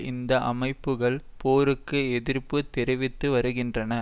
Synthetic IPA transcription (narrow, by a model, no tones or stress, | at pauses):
ɪnd̪ɐʔɐmɐɪpːɯɣɐɭpoːɾɯkːɯɛðɪɾpɯt̪ːɛɾɪʋɪt̪ːɯʋɐɾɯɣɪndrɐnɐ